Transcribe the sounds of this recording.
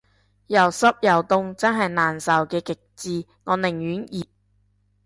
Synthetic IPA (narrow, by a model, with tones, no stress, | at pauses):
jɐ˨˩wsɐ˥p̚jɐ˨˩wt̪ʊ˧ŋt͡sɐ˥nɦɐ˨jnaː˨˩nsɐ˨˩wkɛː˧kɪ˨k̚t͡siː˧ | ŋɔː˨˧nɪ˨˩ŋjyː˨˥njiː˨˩t̚